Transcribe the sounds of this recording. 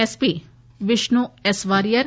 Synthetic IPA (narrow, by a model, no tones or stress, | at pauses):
ɛspiː | ʋɪʃnuɛsʋaːɾijəɾ